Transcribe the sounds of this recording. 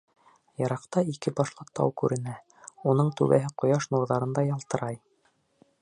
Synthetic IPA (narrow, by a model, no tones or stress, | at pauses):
jɑɾɑqt̪ɑikɘbɑʃlˠɑqt̪ːɑ̰wkʉɾɘ̆næ | unɤɴt̪ʉ̰βæ̰ɦɘqŏjɑʃnuɾðɑɾɤ̆nd̪ɑjɑlˠt̪ɤ̆ɾɑj